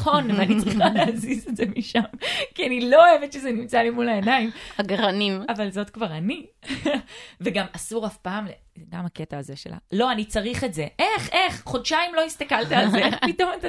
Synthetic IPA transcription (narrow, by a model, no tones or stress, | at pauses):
χo̞nveanit͡sʁiχaleazizetze̞miʃamkianilo̞oevetʃezenimt͡salimulaenaimhaɡaʁanimavalzo̞tkvaʁani | veɡamasuʁafpaːmle | ɡamaketaːzeʃḛlʔa̰lo̞anit͡saʁiχe̞tze̞ʔe̞χʔe̞χχo̞dʃaimlo̞ist̪akalt̪ialzeeχpito̞mat̪a